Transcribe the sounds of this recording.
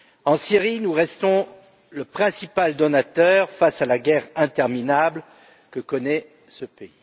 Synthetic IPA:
ɑ̃siʁinuʁɛst̪ɔ̃ | ləpχɛ̃sipald̪ɔnat̪œʁfasalaɡʲɛʁɛ̃t̪ɛʁminabl | kəkɔnɛ | səpei

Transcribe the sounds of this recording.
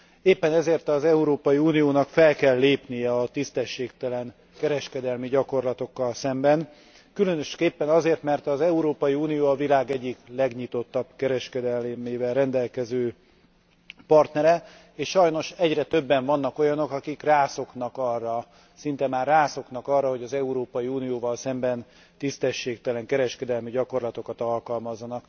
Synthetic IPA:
eːpːɛnɛzeːrt̪ɒzɛuɾoːpɒjiuːnijoːnɒkfɛlkɛlːeːpnijɛɒt̪ist̪ɛʃːeːkt̪ɛlɛŋ | kɛɾɛʃkɛd̪ɛlmiɟɒko̞rlɒt̪o̞kːɒlsɛmbɛn | kylø̞nøʃkeːpːɛnɒzeːrt̪mɛrt̪ɒzɛuɾoːpɒjiuːnijoːɒvilaːɡɛɟːiklɛɡɲit̪o̞t̪ːɒb̥kɛɾɛʃkɛd̪ɛlmeːvɛlrɛnd̪ɛlkɛzøː | pɒrt̪nɛɾɛ | eːʃʃɒjno̞ʃɛɟrɛt̪ø̞bːɛɱvɒnːɒko̞jɒno̞kɒkikraːso̞knɒkɒrːɒ | sint̪ɛmaːrːaːso̞knɒkɒrːɒɦho̞ɟɒzɛuɾoːpɒjiuːnijoːvɒlsɛmbɛn | t̪ist̪ɛʃːeːkt̪ɛlɛŋkɛɾɛʃkɛd̪ɛlmiɟɒko̞rlɒt̪o̞kɒt̪ɒlkɒlmɒzːɒnɒk

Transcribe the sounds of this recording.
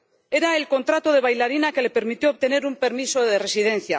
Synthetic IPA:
e̞ɾae̞lko̞nt̪ɾat̪o̞ð̞e̞β̞ajlaɾinake̞le̞pe̞ɾmit̪joːβ̚t̪e̞ne̞ɾumpe̞ɾmiso̞ðe̞re̞sið̞e̞n̟θja̰

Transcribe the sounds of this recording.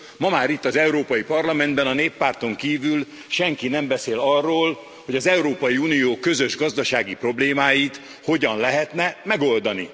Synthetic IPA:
mɒmaːɾit̪ːɒzɛuɾoːpɒjipɒrlɒmɛnd̪bɛnɒneːpːaːrt̪o̞ŋkiːvyl | ʃɛŋkinɛmbɛseːlɒrːoːl | ho̞ɟɒzɛuɾoːpɒjiuːnijoːkøzø̞ʒɡɒzd̪ɒʃaːɡipro̞bleːmaːjit̪ | ho̞ɟɒnlɛɦɛt̪nɛmɛɡo̞ld̪ɒnḭ

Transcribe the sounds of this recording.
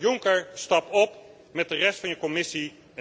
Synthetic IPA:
jʊŋkəɹstɑpɔp | mɛt̚dərɛstfɑnjəkɔmɪsi

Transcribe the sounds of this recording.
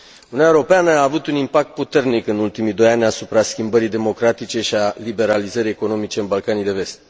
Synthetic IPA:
ununaeuɾo̞peanəaːvut̪unimpak̚t̪̚put̪e̞rnikɨnult̪imijd̪o̞janʲasupɾaskʲimbəɾid̪e̞mo̞kɾat̪it͡ʃe̞ʃialibe̞ɾalizəɾijeko̞no̞mit͡ʃe̞ɨnbalkanijd̪e̞ve̞st̪

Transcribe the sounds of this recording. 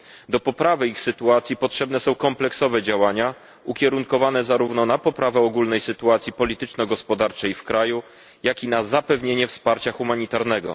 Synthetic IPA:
d̪ɔpɔpɾavɘixsɘt̪uat̪sʲjipɔtʂɛbnɛsɔ̃w̃kɔmplɛksɔvɛd͡ʑawaɲa | ukʲɛɾuŋkɔvanɛzaɾuvnɔnapɔpɾavɛɔɡulnɛjsɘt̪uat̪sʲjipɔlʲit̪ɘt͡ʂnɔɡɔspɔd̪aɾt͡ʂɛjfkɾaju | jakʲinazapɛvɲeɲɛfspaɾt͡ɕaxumaɲit̪aɾnɛɡɔ̰

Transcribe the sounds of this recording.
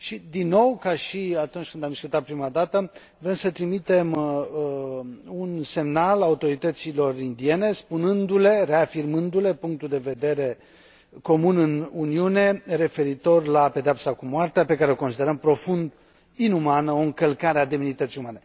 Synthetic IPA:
ʃid̪inːo̞wkaʃiat̪unt͡ʃʲkɨnd̪amd̪iskut̪at̪̚pɾimad̪at̪ə | vɾe̞msət̪ɾimit̪e̞m | unse̞mnalaut̪o̞ɾit̪ət̪silo̞rind̪ie̞ne̞spunɨnd̪ule̞re̞afirmɨnd̪ule̞puŋk̚t̪uld̪e̞ve̞d̪e̞ɾe̞ | ko̞munɨnuniune̞ɾe̞fe̞ɾit̪o̞rlape̞d̪eapsakumoart̪eape̞kaɾeoko̞nsid̪e̞ɾəmpɾo̞fund̪ | inumanəo̞ɨŋkəlkaɾead̪eminit̪ət̪sijumane̞

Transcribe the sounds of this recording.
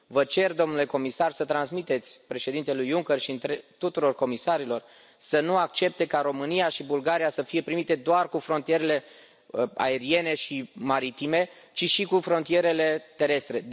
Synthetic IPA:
vət͡ʃe̞rd̪o̞mnule̞ko̞misarsət̪ɾansmit̪e̞t̪sʲpɾe̞ʃe̞d̪int̪e̞lujuŋkerʃint̪ɾet̪ut̪uɾo̞rko̞misaɾilo̞r | sənuak̚t͡ʃe̞p̚t̪e̞kaɾo̞mɨnijaʃibulɡaɾijasəfije̞pɾimit̪e̞d̪oarkufɾo̞nt̪ije̞ɾe̞le̞ | a̰e̞ɾie̞ne̞ʃimaɾit̪ime̞ | t͡ʃiʃikufɾo̞nt̪ije̞ɾe̞le̞t̪e̞ɾe̞st̪ɾe̞

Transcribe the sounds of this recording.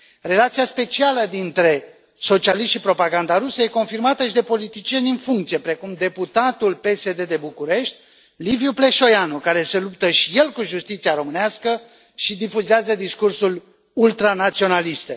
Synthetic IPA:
re̞lat̪siaspe̞t͡ʃialəd̪int̪ɾe̞ | so̞t͡ʃialisʃt̪ʃipɾo̞paɡand̪aɾusəje̞ko̞nfirmat̪əʃid̪e̞po̞lit̪it͡ʃije̞nʲɨnfuŋk̚t̪sije̞pɾe̞kumd̪e̞put̪at̪ulpe̞se̞d̪e̞d̪e̞bukuɾe̞ʃt̪̚ʲ | liviuple̞ʃo̞janukaɾe̞se̞lup̚t̪əʃije̞lkuʒust̪it̪siaɾo̞mɨneaskə | ʃid̪ifuzeazəd̪iskursul | ult̪ɾanat̪sio̞nalist̪e

